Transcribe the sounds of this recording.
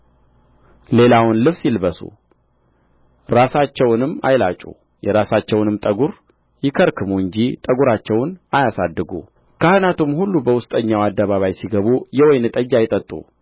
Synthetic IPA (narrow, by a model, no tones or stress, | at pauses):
le̞lawʊnlɨβsjilbəsṵ | ɾasat͡ʃːɛwnɨmːa̰jlat͡ʃʼṵ | jɛɾasat͡ʃːɛwnɨmt̪ʼəɡuɾ | jɪkʰəɾkʰɨmuɨɲd͡ʒit̪ʼəɡuɾat͡ʃːɛwnajasad̪ːɨɡṵ | kʰahɨnat̪ʰumhulːubəwʊst̪ʼəɲːawad̪ːəβaβajsiɡəβujɛwɔjnɨt̪ʼəd͡ʒːajɪt̪ʼət̪ʼːṵ